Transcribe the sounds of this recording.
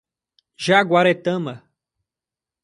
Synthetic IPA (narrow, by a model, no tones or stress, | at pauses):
ʒaɡwaɾet̪ɐ̃mɐ